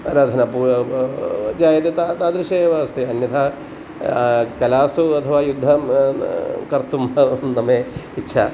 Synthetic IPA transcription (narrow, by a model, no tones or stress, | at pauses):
ɐɾaːd̪ʱɐnɐpuː | d͡ʒaːjɐt̪et̪at̪aːd̪ɾɐʃeːʋɐɐst̪eɐnjɐt̪ʰaː | kɐlaːsuɐt̪ʰɐʋaːjud̪ʱːɐ | kɐɾt̪umɐnɐmeːitːʃʰa̰